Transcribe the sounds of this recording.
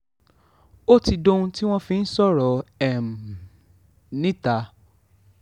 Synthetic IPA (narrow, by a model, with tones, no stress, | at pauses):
o˦ti˧do˦ũ˦ti˦w̃ɔ̃˦fĩ˧n̩˦sɔ˦˨ɾɔ˨ɛ˨m˨ | nĩ˦ta˨˦